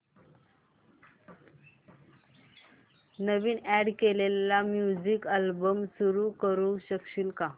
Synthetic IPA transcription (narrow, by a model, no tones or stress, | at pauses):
nəʋiːnæɽkelelamjud͡ʑikalbəmsuɾukəɾuɕəkɕiːlka